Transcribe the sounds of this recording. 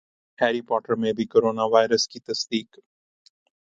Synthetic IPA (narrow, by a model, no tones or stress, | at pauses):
hɛːɾipɔːʈəɾmẽbʱikoːɾoːnaʋaːɪɾəskit̪ɐsd̪iːk